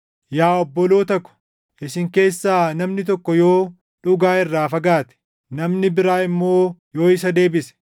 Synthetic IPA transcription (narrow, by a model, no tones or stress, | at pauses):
jaːɔbːɔloːt̪ɐkːɔ̥ | ʔɪsɪŋke̞ːsːaːnɐmnɪt̪̬ɔkːɔjo̞ː | ᶑʊɡaːɪrːaːfɐɡaːt̪ɛ̥ | nɐmnɪbɪɾaːɪmːo̞ːjo̞ːɪsɐd̪e̞ːbɪsɛ̥